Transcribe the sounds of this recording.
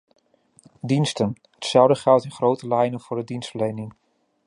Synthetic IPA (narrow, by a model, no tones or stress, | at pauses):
dinstən | hətsɛlˠdəχɛlˠtɪnχrowtəlɛjnənv̥ʊːɹdədinstfəɹlejnɪŋ